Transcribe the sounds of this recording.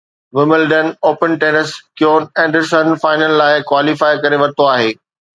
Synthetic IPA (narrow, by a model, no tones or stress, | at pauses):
ʋɪmɪlɖənoːpənʈeːnəskjoːnɛ̃ːɳɖəɾsənfaːɪnəlːaːɪkwaːlifaːɪkɐɾeʋɐɾt̪oaːɦeː